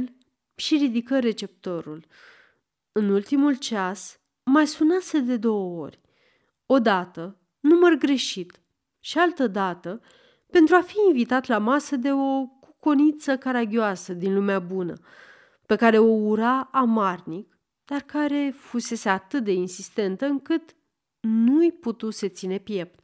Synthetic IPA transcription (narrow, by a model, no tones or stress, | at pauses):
l | ʃiɾid̪ikəɾe̞t͡ʃe̞p̚t̪o̞ɾul | ɨnult̪imult͡ʃas | majsunase̞d̪e̞d̪o̞wəo̞̰rʲ | o̞d̪at̪ə | numərɡɾe̞ʃit̪ | ʃialt̪əd̪at̪ə | pe̞nt̪ɾuafiːnvit̪at̪lamasəd̪e̞o̞kukonit̪səkaɾaɡʲioasəd̪inlumeabunə̰ | pe̞kaɾe̞o̞uɾaːmarnik | d̪̥arkaɾe̞fuse̞se̞at̪ɨt̪̚d̪e̞insist̪e̞nt̪əɨŋkɨt̪ | nujput̪use̞t̪sine̞pje̞p̪